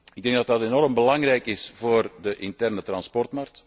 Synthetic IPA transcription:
ɪɡ̚dɛŋɡdɑt̚dɑtenɔɾəmbəlɑŋrɛjkɪsv̥oːrdəʔɪntɛrnətrɑnspɔrtmark̚t

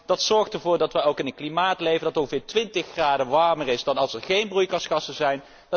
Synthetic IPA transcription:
d̥ɑtsɔɹχtəɹvʊːɹdɑtʋɛowkɪnəklimaːtlejvəndɑtɔ̃ŋχəvɪːɹtʋɪntəχːraːdəʋɑɹmərɪsdɑnɑlˠsɛɹχejnbrujkɑsχɑsəzɛjn | d

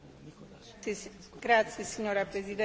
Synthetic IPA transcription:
ɡɾat̪sesiɲoɾɐpɾeziðẽ

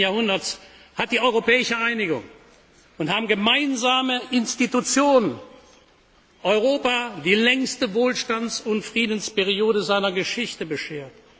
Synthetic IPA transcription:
jaːɐhʊndɐts | hat̚d̥iːʔɔʏʁopɛːɪʃəʔaɪnɪɡʊ̰ŋ | ʊnthaːbm̩ɡəmaɪnzaːməʔɪnstitut͡sjoːnən | ʔɔʏʁ̞oːpadiːlɛŋstəvoːlʃtant͡sʊntfʁ̥iːdənspɛʁioːdəzaɪnɐɡəʃɪçtəbəʃeːɐt

